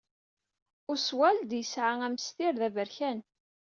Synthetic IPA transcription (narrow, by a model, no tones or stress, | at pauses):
ʊɾswæld̪jəsʕaæmst̪ɪɾðævəɾçæn